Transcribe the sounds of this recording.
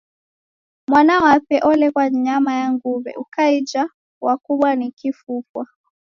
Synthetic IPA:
mwanawapɛʔɔlɛkwaɲamajaŋɡuvɛ̰ʔukaid͡ʒa | wakuɓwanikifupwa

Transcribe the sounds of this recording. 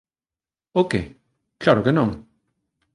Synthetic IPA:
oke | klaɾokenõŋ

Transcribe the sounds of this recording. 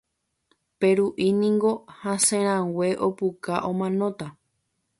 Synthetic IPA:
peɾuʔinĩŋɡo̞hãsẽɾ̃ãweʔopukaʔõmãnõt̪a

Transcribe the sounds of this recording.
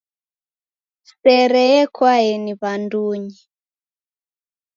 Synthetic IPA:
sɛɾɛɛkwaɛniβanduɲi

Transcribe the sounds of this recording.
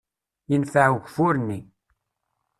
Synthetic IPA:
jənfəʕuʝʷfʊɾənːi

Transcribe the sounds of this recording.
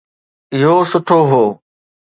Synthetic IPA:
ɪɦoːsʊʈʰoːɦoː

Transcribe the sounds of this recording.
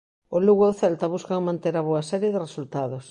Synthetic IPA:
ʊluɣooθɛlt̪ɐβuskaŋmãnt̪eɾɐβoɐsɛɾjeðɪresult̪aðʊs

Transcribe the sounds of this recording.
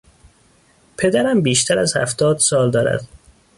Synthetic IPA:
pʰe̞d̪æɾæmbiːʃt̪ʰæɾæzhæ̰ft̪ɒːd̪sɒːld̪ɒːɾæ̰d̪̥

